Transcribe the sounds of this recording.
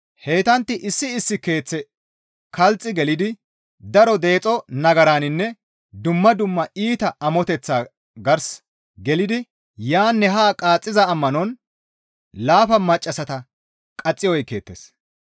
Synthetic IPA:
he̞ːt̪ɐnt̪ːɪʔɪsːɪːsːɪke̞ːt͡sːɛ | kɐlt͡sʼːɪɡɛlɪd̪ɪ | d̪ɐɾɔd̪e̞ːt͡sʼɔnɐɡɐɾaːnɪnːɛ | d̪ʊmːɐd̪ʊmːɐiːt̪ɐʔɐmɔt̪ɛt͡sːaː | ɡɐɾs | ɡɛlɪd̪ɪ | jaːnːɛɦaːkʼaːt͡sʼːɪzɐːmːɐnɔn | laːfɐmɐt͡ʃʼːɐsɐt̪ɐ | kʼɐt͡sʼːɪjɔjke̞̰ːt̪ːḛs

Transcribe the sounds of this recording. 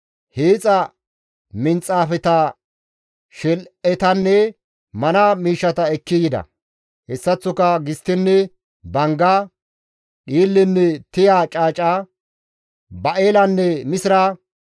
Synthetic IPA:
heːt͡sʼɐ | mɪnt͡sʼaːfɛt̪ɐ | ʃɛlɛt̪ɐnːɛ | mɐnamiːʃːɐt̪ɐɛkːɪɡɪd̪ɐ̰ | hɛsːɐt͡sːʊkɐɡɪst̪ːɪnːɛ | bɐŋɡa | ɗiːlːɪnːɛt̪ɪjaːt͡ʃʼaːt͡ʃʼaː | bɐʔe̞ːlɐnːɛmɪsɪɾa

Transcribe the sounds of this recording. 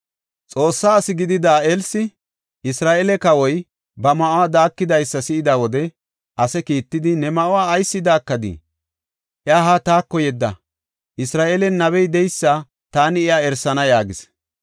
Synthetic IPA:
t͡sʼo̞ːsːaːsɪɡɪd̪ɪd̪aːʔelsɪ | ɪsɾaːʔeːlɛkɐwɔj | bɐmɐʔʊwaːd̪aːkːɪd̪ɐjsːɐsɪʔɪd̪awɔd̪ɛ | ʔɐsɛkiːt̪ːɪd̪ɪnɛmɐʔʊwaːjsːɪd̪aːkːɐd̪ɪ̰ | ʔɪaːɦaːt̪aːkːɔjɛd̪ːɐ̰ | ʔɪsɾaːʔeːlɛnːɐβɛjd̪ɛjsːɐ | t̪aːnɪɛjaɛɾsːɐnɐjaːɡɪs

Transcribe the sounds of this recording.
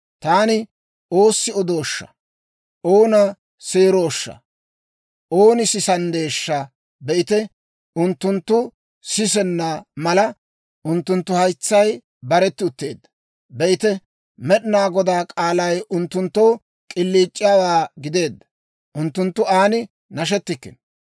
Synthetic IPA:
t̪aːnɪ | ʔo̞ːsːɪɔd̪oːʃːɐ̰ | ʔo̞ːnɐ | seːɾoːʃːɐ̰ | ʔoːnɪsɪsɐnd̪e̞ːʃːɐ | bɛʔɪt̪ɛ | ʊnt̪ːʊnt̪ːʊ | sɪs̬ɛnːamɐlɐ | ʔʊnt̪ːʊnt̪ːʊhɐjt͡sːɐj | bɐɾɛt̪ːɪʊt̪ːe̞ːd̪ːɐ̥ | bɛʔɪt̪ɛ | mɛɗɪnaːɡɔd̪aːkʼaːlɐjʊnt̪ːʊnt̪ːoː | kʼɪlːiːt͡ʃʼːɪjaːwaːɡɪd̪e̞ːd̪ːɐ̥ | ʔʊnt̪ːʊnt̪ːʊaːnɪ | nɐʃ̬ɛt̪ːɪkːɪ̰n

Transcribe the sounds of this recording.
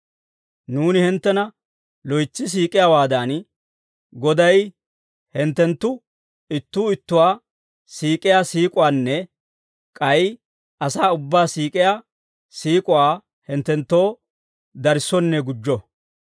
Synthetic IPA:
nuːnɪhɪnt̪ːɛnɐ | lɔjt͡sːɪs̬iːkʼɪjaːwaːd̪ɐn | ɡɔd̪ɐj | hɛnt̪ːɛnt̪ːʊ | ɪt̪ːuːɪt̪ːʊwaː | siːkʼɪjaːsiːkʼʊwaːnːɛ | kʼɐj | ʔɐsaːʊbːaːsiːkʼɪjaː | siːkʼʊwaː | hɛnt̪ːɛnt̪ːo̞ː | d̪ɐɾɪsɔnːɛɡʊd͡ʒːɔ

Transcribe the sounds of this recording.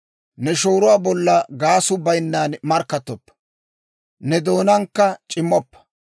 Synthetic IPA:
nɛʃo̞ːɾʊwaːbɔlːɐɡaːsʊbɐjnːaːnmɐɾkːɐt̪ːɔpːɐ̥ | nɛd̪o̞ːnɐŋkːɐt͡ʃʼɪmːɔpːɐ̥

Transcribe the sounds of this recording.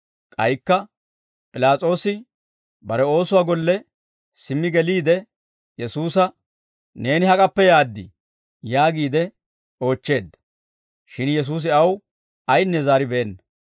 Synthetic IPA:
kʼɐjkːɐ | pʼɪlaːt͡sʼo̞ːsɪ | bɐɾɛo̞ːsʊwaːɡɔlːɛ | sɪmːɪɡɛliːd̪ɛ | jɛsuːsɐ | ne̞ːnɪhɐkʼɐpːɛjaːd̪ːɪ̰ | jaːɡiːd̪ɛ | o̞ːt͡ʃːe̞ːd̪ːɐ | ʃɪnjɛs̬uːs̬ɪɐw | ɐjnːɛzaːɾɪbeːnːɐ

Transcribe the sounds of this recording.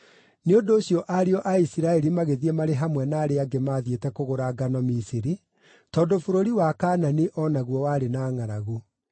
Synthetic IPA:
neondoːɕjɔʔaɾeɔʔaisiɾaɛɾimaɣeðiɛmaɾeɦamwɛnaːɾeaɡemaːðjetɛkoɣoɾaɡanɔmisiɾi | tɔːndofoɾoɾiwakaːnaniʔɔnaɣwɔwaːɾenaːŋaɾaɣo

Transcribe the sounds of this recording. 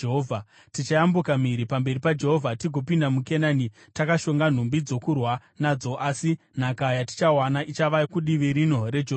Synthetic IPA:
eɦovʱa | tit͡ʃajambukamiɾipambe̞ripad͡ʒe̞ɦo̞vʱatiɡʱo̞pindamukenani | takaʃo̞ŋɡan̤umbid͡zo̞kurwa | nad͡zo̞ʔasi | n̤akajati̥t͡ʃawanaʔit͡ʃaʋakuɗiʋiɾin̤o̞re̞d͡ʒ

